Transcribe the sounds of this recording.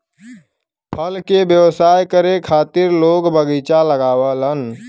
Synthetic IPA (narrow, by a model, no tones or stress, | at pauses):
pʰəlkebjəʋsaːjkəɾekʰaːt̪ɪɾloːɡbəɡit͡ʃaləɡaːʋələn